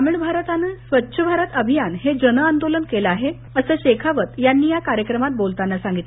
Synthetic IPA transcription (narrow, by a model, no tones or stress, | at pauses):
amiɳbʱaɾət̪anesʋətːɕʰəbʱaɾət̪əbʱijanɦed͡ʑənəand̪olənkelaɦe | əsəːɕekʰaʋət̪janːiːjakaɾjəkɾəmat̪̚bolt̪anːasãŋɡit̪le